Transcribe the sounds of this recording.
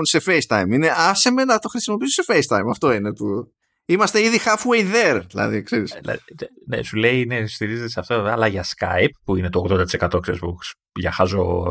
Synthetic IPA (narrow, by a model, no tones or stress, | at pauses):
nse̞fejst̪ɐjmine̞ʔɐsemenɐt̪o̞xɾisimo̞pisose̞fejst̪ɐjmɐft̪o̞ine̞pu | imɐst̪eiðixɐfwejðeɾðilɐ̰ðḭkseɾislɐ̰ði | nesule̞inest̪iɾizet̪eseft̪o̞veveɐlɐʝɐskɐ̰jp̚ːuinet̪oːɣðo̞nd̪ɐt̪ise̞kɐt̪oksezbuks | ʝɐxɐzo̞